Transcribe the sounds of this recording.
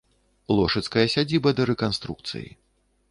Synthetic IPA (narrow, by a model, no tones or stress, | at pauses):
lˠɔʂɐt̪skɐjɐsʲad͡zʲibɐd̪ɐɾɛkanst̪ɾuk̚t̪sɨ̰jḭ